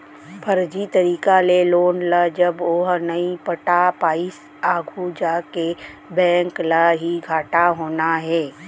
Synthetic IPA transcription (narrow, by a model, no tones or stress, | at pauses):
pʰɐɾd͡ʒit̪ɐɾiːkaleloːnlad͡ʒɐboːɦnɐipəʈapaːɪs | aːɡʱud͡ʒakebɛ̃ːŋklaɦiɡʱaːʈaɦoːnaɦɛː